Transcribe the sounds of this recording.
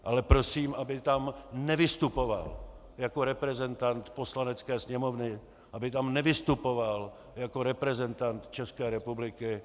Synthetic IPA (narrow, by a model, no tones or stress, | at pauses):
ʔalɛpɾo̞siːmʔabɪt̪amnɛvɪst̪upo̞va̰l | jako̞ɾɛpɾɛzɛnt̪ant̪po̞slanɛt͡skɛːsɲɛmo̞vnɪ | ʔabɪt̪amnɛvɪst̪upo̞val | jako̞ɾɛpɾɛzɛnt̪ant̪t͡ʃɛskɛːɾɛpublɪkɪ